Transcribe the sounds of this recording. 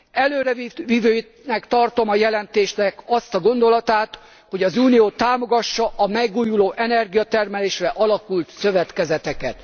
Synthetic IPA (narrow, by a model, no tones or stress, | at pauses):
ɛløːɾɛviʋivøːj | nɛkt̪ɒrt̪o̞mɒjɛlɛnt̪eːʃnɛkɒst̪ɒɡo̞nd̪o̞lɒt̪aːt̪ | ho̞ɟɒzuːnijoːt̪aːmo̞ɡɒʃːɒʔɒmɛɡuːjuloːʔɛnɛrɡijɒt̪ɛrmɛleːʃrɛʔɒlɒkult̪sø̞vɛt̪kɛzɛt̪ɛkɛ̰t̪